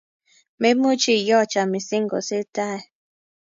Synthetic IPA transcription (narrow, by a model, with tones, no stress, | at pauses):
me˦m˦o˦t͡ʃi˦˨jɔ˦˨t͡ʃa˨mi˨si˦ŋ̩˦ɡo̰˨se˦ta˦e˨